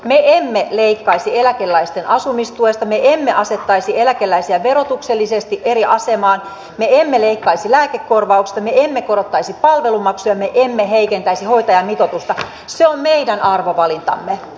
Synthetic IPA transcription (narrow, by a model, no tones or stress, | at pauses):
meemːeleikːɑisielækelːæist̪enʔɑsumist̪uest̪ɑmeemːeʔɑset̪ːɑisielækelːæisiæʋerot̪ukselːisest̪iʔeriɑsemɑːn | meemːeleikːɑisilæːkekːorʋɑuksi̥st̪ɑmeemːekoɾot̪ːɑisipɑlʋelumɑksujɑmeʔemːeɦeikent̪æisiho̞it̪ɑjɑmit̪ot̪ust̪ɑ | seommeidænɑrʋoʋɑlint̪ɑ̰mːe